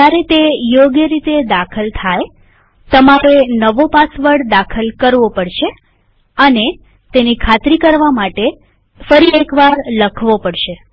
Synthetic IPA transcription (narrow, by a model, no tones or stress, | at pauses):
d͡ʒjaɾet̪ejoɡjəɾit̪ed̪akʰəlt̪ʰaj | t̪əmaɾenəʋopasʋəɽd̪akʰəlkəɾʋopəɽʃe | əne | t̪enikʰat̪ɾikəɾʋamaʈe | fəɾiekʋaɾləkʰʋopəɽʃe